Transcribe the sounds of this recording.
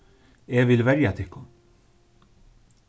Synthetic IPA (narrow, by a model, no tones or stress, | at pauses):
eːʋɪlʋɛɾjat̪ʰɪkːʊ